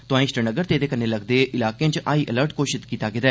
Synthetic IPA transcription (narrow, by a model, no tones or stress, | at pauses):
t̪ʊãːĩːsʈənəɡəɾt̪eːd̪eːkənːeːləɡd̪eːʔɪlaːkeãt͡ʃʔaːiːʔələɾʈkoːʃɪt̪kiːt̪aːɡed̪aɛː